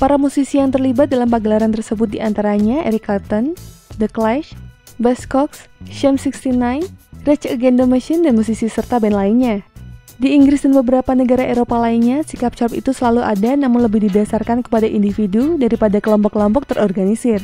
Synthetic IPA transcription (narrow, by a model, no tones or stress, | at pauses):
paɾamusisijaŋt̪ərlibat̪̚dalampaɡəlaɾant̪ərsəbʊt̪̚diant̪aɾaɲaʔɛɾikart̪ɔndəklaʃ | bɛskɔksʃɛmsikst̪inajnrɛt͡ʃəɡɛndoməʃɪndanmusisisərt̪abɛnlainɲa | diːŋɡɾɪsdanbəbəɾapanəɡaɾaʔeɾopalainɲasikap̚t͡ʃapḭt̪usəlaluʔa̰danamʊnləbɪhdidasarkankə̥padaʔindifidudaɾipadakəlɔmpɔkːəlɔmpɔk̚t̪ərʔɔrɡanisɪr